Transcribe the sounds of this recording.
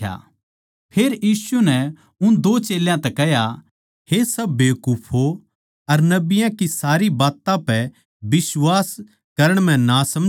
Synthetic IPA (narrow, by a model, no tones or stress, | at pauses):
a̰ | pʰeːɾjiːsunɛ | ʊnd̪oːt͡ʃeːljãt̪ɛkɛɦja | hesɐbːeːkupʰɦo | ɐɾnɐbɪjãkisaːɾibaːt̪ãpɛ | bɪswaːs | kɐɾəɽ̃m̤ɛ̃nasɐm